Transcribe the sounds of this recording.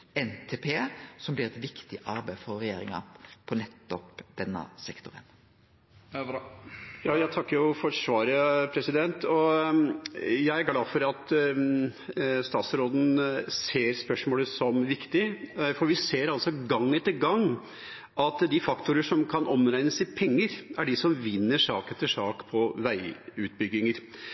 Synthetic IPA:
ɛnt̪ʰeːpʰeːsɔmblɪɾɛt̪ʋɪkt̪ɪʔɑɾbæɪfɔɾʁɛjeːɾɪ̰ŋɑ̰pʰɔnɛt̪ːɔpd̪̥ɛnːə̰sɛkt̪ʊɾə̰n | jɑːjæɪt̪ʰɑkːəɾjʊfɔʂʋɑːɾəpʰɾɛsɪd̪ɛnt̪ɔ | jæɪæɾɡlɑːfɔɾɑt̪ | st̪ɑːt̪sɾoːd̪n̩seːɾspœʂmoːləsɔmʋɪkt̪ɪfɔɾʋɪseːɾɑlsɔɡɑŋːɛt̪ːəɡɑŋ | ʔɑt̪d̪ɪfɑkt̪ʊɾəʂɔmkʰɑnʔɔmɾæɪnəsɪpʰɛŋːəɾæɖɪsɔmʋɪnːəʂɑːkɛt̪ːəʂɑːkpʰɔʋæɪʉːt̪bʏɡɪŋəɾ

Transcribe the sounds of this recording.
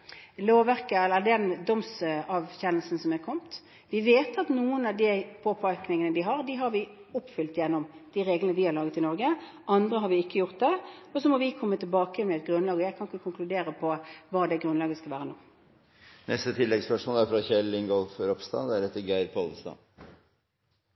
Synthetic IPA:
loːʋæɾkəɛlːəɾd̪ɛnd̪ɔmsɑʋɕɛnːəl̩sn̩sɔmɛɾkʰɔmt̪ | ʋɪʋeːt̪ɑt̪nuːənɑʋd̪ipʰoːpʰɑɾknɪŋənəd̪ɪɦɑʁd̪iɪɦɑɾʋɪ | ʊpːfʏlt̪jɛnːɔmd̪̥iɾeːɡlənəʋɪhɑɾlɑːɡət̪ɪnɔɾɡə | ʔɑnd̪ɾəɦɑɾʋɪɪkːəjʊʁt̪̚d̪ɛɔsɔmɔʋɪkʰɔmːət̪ʰɪlbɑːkəɛnmɛɛt̪̚ɡɾʉnːlɑːɡɔjæɪkʰɑnkːəkʰʊŋklʉd̪eːɾəpʰɔʋɑːd̪ɛɡɾʉnlɑːɡəskɑlʋæːɾənuː | nɛ̰st̪ət̪ʰɪlːɛɡspœʂmoːlæɾfɾɑçɛlɪŋɡɔlfɾɔpst̪ɑ̰ːd̪ɛæɾɛt̪ːəɡæɪɾpʰolst̪ɑ̰

